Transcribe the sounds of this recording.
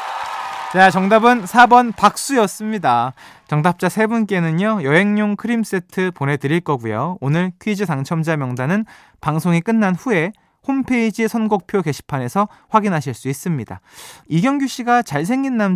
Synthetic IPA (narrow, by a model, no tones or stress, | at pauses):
t͡ɕat͡ɕʌŋdabɯnsʰabʌnpak̚s͈ujʌs͈ɯmɲidat͡ɕʌŋdap̚t͡ɕ͈asʰe̞bunk͈e̞nɯɲjʌjʌɦe̞ŋɲoŋkʰɯɾims͈etʰɯpone̞dɯɾiɭk͈ʌɡujo̰onɯɭkʰɥid͡ʑisaŋt͡ɕʰʌmd͡ʑamjʌŋdanɯn | paŋsʰoŋik͈ɯnːanɸue̞ | hompʰe̞id͡ʑisʰʌnɡok̚pʰjoke̞ɕʰi̥pʰane̞sʰʌɸwaɡinɦaɕʰiɭs͈uis͈ɯmɲida̰iɡjʌŋɡuɕ͈ʰiɡat͡ɕaɭs̬ʰe̞ŋɡinːam